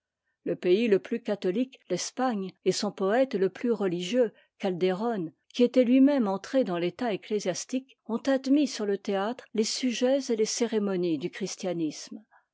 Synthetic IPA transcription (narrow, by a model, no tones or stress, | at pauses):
ləpeiləplykat̪ɔliklɛspaɲesɔ̃pɔɛt̪ləplyʁəliʒjø | kald̪eʁɔn | kʲiet̪ɛlɥimɛmɑ̃t̪χed̪ɑ̃let̪aeklezjast̪ik | ɔ̃t̪ad̪misyʁlət̪eat̪χlesyʒɛzeleseʁemɔnid̪ykχist̪janism